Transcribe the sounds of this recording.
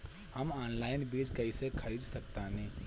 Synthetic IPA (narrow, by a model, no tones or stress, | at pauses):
hɐmaːnlaːɪnbiːd͡ʒkɐisekʰɐɾiːd̪sɐkt̪anɛ̃